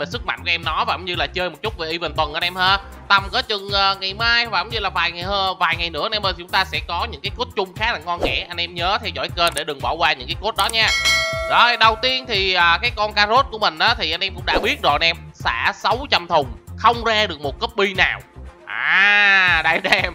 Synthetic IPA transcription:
ve˨˩sɨ˦˥k̚ma̰˧˨ŋku˧˩ʔɛ˧mnɔ˨˦vaː˨˩˨ŋ͡mɲɨ˧laː˨˩t͡ɕəː˧jmo˨˩t̚t͡ɕʊ˦˥t̚ve˨˩ʔi˧və˨˩ŋ̟t̪wə˨˩nʔəː˧nʔɛ˧mhəː˧ | t̪a˨˩mkəː˨˦t͡ɕɨ˨˩ŋʔəː˨˩ŋa˨˩jmaː˧jvaː˨˩˨ŋ͡mɲɨ˧laː˨˩vaː˨˩jŋa˨˩jhəː˧vaː˨˩jŋa˨˩jnɨ̰˧˥ʔnɛ˧mə˧˩t̪ʰʊ˨˦ŋ͡mt̪aː˧sɛ̰˧˥kɔ˨˦ɲɨ̰˧˥ŋkaː˨˦jko˦˥t̚t͡ɕʊ˧ŋ͡mxaː˦˥k̚la̰ː˧˨˩ŋkɔ˧nŋɛ̰˧˥ʔa˧ŋ̟ʔɛ˧mɲəː˨˦t̪ʰɛ˧wzɔ̰˧˩jkəː˧nɗe˧˩ɗɨ˨˩ŋɓaː˧˩wkwaː˧ɲɨ̰˧˥ŋkaː˨˦ko˦˥t̚ɗɔ˨˦ɲaː˧ɗɔ˨˦˧ɗə˨˩wt̪i˧ənt̪ʰi˨˩ʔəː˨˩kaː˨˦jkɔ˧nkaː˧zo˦˥t̚ku˧˩əmï˨˩ŋ̟ʔaː˨˦t̪ʰi˨˩ʔa˧jn̟ʔɛ˧mkʊ̰˧˥ŋ͡mɗa̰ː˧˥ɓi˦˥ət̚zo̰˨˩jnʔɛ˧msa̰ː˧˥sə˨˦wt͡ɕə˧˩mt̪ʰʊ˨˩ŋ͡mxə˧wŋ͡mzaː˧ɗɨ˨˩ək̚mo˨˩t̚kə˦˥p̚ɓi˧naː˨˩wʔaː˨˩ɗa˧˩ɗɛ˧m

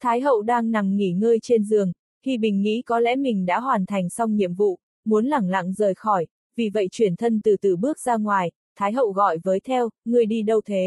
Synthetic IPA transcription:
t̪ʰaː˨˦jɦə̰˧˨wɗaː˧ŋna˨˩mŋi˧˩ŋəː˧jt͡ɕe˧nzɨ˨˩əŋ | hḭ˧˨ɓï˨˩ŋ̟ŋḭ˧˥kɔ˨˦lɛ̰˧˥mï˨˩ŋ̟ɗa̰ː˧˥ɦwaː˨˩nt̪ʰa˨˩jŋ̟sa˧wŋ͡mɲḭ˧˨əmvṵ˧˨ | mu˨˦ənla˨˧˩ŋla̰˧˨ŋzəː˨˩jxɔ˧˩j | vi˨˩və̰˧˨jt͡ɕwi˧˩ənt̪ʰə˧nt̪ɨ˨˩t̪ɨ˨˩ɓɨ˦˥ək̚zaː˧ŋwaː˨˩j | t̪ʰaː˨˦jɦə̰˧˨wɣɔ̰˧˨jvəː˨˦jt̪ʰɛ˧wŋɨ˨˩əjɗi˧ɗə˧wt̪ʰe˨˦

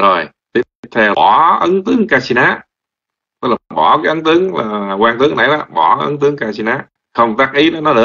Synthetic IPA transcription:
zo˨˩j | t̪i˧˩˨t̪ʰe˨˩ɔ˧˩ʔə˨˦nt̪ɨ˨˦əŋkaː˧si˧naː˨˥ | t̪klaː˨˩ɓɔ˧˩kaː˨˦jʔə˨˦nt̪ɨ˨˦əŋlaː˨˩kwaː˧ŋt̪ɨ˨˦əŋna˨˩jna˧˩ɓɔ˧˩˧ʔə̰˧˦nt̪ɨ˨˦əŋkaː˧si˧naː˨˦˥ | xə˧wŋ͡mt̪aː˦˥k̚ʔi˨˦ɗɔ˨˦nɔ˨˦ɗɨ˨˩˦ə˦

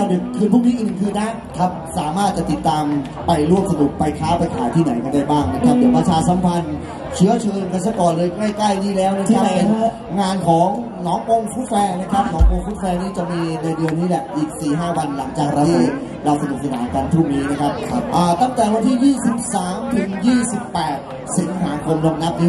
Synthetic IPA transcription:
a˧˩dɯ˨˩kkʰːɯː˧npʰuː˥˩niː˦˥ʔɯ˧n˧kʰɯː˧nːa˦˥ | kʰa˦˥p̚saː˩˦maː˥˩t̪̚t͡ɕa˨˩t̪i˨˩t̪ːaː˧m | pa˧jlu˥˩əmsa˧nu˨˩k̚pa˧jkʰaː˦˥pa˧jk̪ʰaː˨˩˦jt̪ʰiː˥˩na˩˦jka˧ndaː˥˩jbaː˥˩ŋna˦˥kʰa˦˥p̚ːe˨˧˩npɾa˧t͡ɕʰaː˧sa˩˦mpʰa˧n | t͡ɕʰɯ˦˥ɐt͡ɕʰɯː˧nka˧ns̬a˧˩kɔː˨˩nlɤː˧jŋa˥˩jkla˥˩jniː˥˩lɛː˦˥wna˦˥˩k̪ʰa˦˥a˧˩ | ŋaː˧nkʰɔː˩˦ŋ | nɔː˩˦ŋʔo˧ŋfu˦˥t̪̚fɛː˧na˦˥kʰa˦˥p̚nɔː˩˦ŋʔo˧ŋfuː˦˥t̪̚fɛː˧niː˦˥t͡ɕa˨˩miː˧na˧jdɯ˧ənːiː˦˥lɛ˨˩ʔiː˨˩k̚siː˨˩ɦaː˥˩wa˧nla˩˦ŋt͡ɕaː˨˩k̚ɾa˧w̪ʰi˧˥˩ | ɾa˧wsa˧nu˨˩k̚sa˧naː˩˦kaː˧nt̪ʰuː˥˩niː˦˥na˦˥kʰa˦˥p̚ʔaː˨˩t̪a˥˩ŋt̪ɛː˨˩wa˧nt̪ʰiː˥˩jiː˥˩si˨˩p̚saː˩˦mt̪ʰɯ˨˩˦ŋjiː˥˩si˨˩pːɛː˨˩t̪̚ | si˩˦ŋɦaː˩˦kʰo˧mla˧mna˦˥p̚niː˦˥

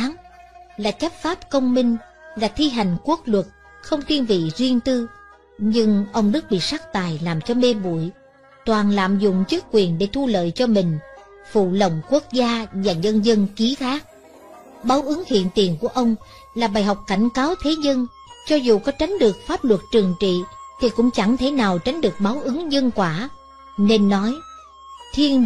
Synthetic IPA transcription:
aː˨˦ŋlaː˨˩t͡ɕə˦˥p̚faː˦˥p̚kə˧wŋ͡mmï˧ŋ̟ | laː˨˩t̪ʰi˧ɦa˨˩jŋ̟ku˦˥ək̚lwə˨˩t̚ | xə˧wŋ͡mt̪ʰi˧ənvḭ˧˨zwi˧ənt̪ɨ˧ | ɲɨ˧ŋʔə˧wŋ͡mɗɨ˦˥k̚ɓḭ˧˨saː˦˥k̚t̪aː˨˩jlaː˨˩mt͡ɕɔ˧me˧ɓṵ˧˨j | t̪waː˨˩nla̰ː˧˨mzʊ̰˧˨ŋ͡mt͡ɕɨ˦˥ək̚kwi˨˩ənɗe˧˩t̪ʰu˧lə̰ː˧˨jt͡ɕɔ˧mï˨˩ŋ̟ | fṵ˧˨lə˨˩wŋ͡mku˦˥ək̚zaː˧vaː˨˩ɲə˧nzə˧nki˨˦t̪ʰaː˦˥k̚ | ɓaː˨˦wʔɨ˨˦ŋhḭ˧˨ənt̪i˨˩ənku˧˩əʔə˧wŋ͡m | laː˨˩ɓaː˨˩jɦa˨˩wk͡p̚ka˧˩jŋ̟kaː˨˦wt̪ʰe˨˦ɲə˧n | t͡ɕɔ˧zu˨˩kɔ˨˦t͡ɕa˨˦jŋ̟ɗɨ˨˩ək̚faː˦˥p̚lwə˨˩t̚t͡ɕɨ˨˩əŋt͡ɕḭ˧˨t̪ʰi˨˩kʊ̰˧˥ŋ͡mt͡ɕa˧˩ŋt̪ʰe˧˩naː˨˩wt͡ɕa˨˦jŋ̟ɗɨ˨˩ək̚ɓaː˨˦wʔɨ˨˦ŋzə˧nkwaː˧˩ | ne˧nːɔ˨˦j | t̪ʰi˧ən

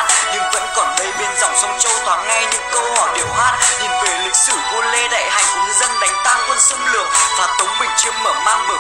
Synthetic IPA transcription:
t̚ɲɨ̰˧˥ŋvə̰˧˥nkɔ˨˩nɗə˨˦jɓi˨˦ənzɔ̰˧˨wŋ͡msɔ˨˦wŋ͡mt͡ɕə˧wt̪ʰwaː˨˩t̚ŋa˧jɲɨ̰˧˥ŋkə˧whɔ˧˩jɗi˧˨˩əwhwaː˦˥t̚t̪i˨˧˩ŋvɨ˨˩əjlï˨˩k̚sɨ˧˩vo˧˩nle˧ɗa̰ː˧˨jha˨˩jŋ̟ɨ˨˧zə˧nɗa˨˦jŋ̟t̪aː˧ŋkwə˧nsə˧ŋ͡mlɨ˨˩ək̚vaː˨˩t̪ə˨˦wŋ͡mɓï˨˩ŋ̟t͡ɕɨ˨˦əŋ̚məː˧˩ma̰ː˧ŋɨ˨˧˦

